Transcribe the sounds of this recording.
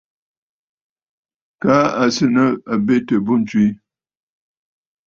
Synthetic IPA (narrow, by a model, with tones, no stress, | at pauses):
ka˦a˨sɨ˦nə˦a˨be˦tə˨bu˦n̩˦twi˦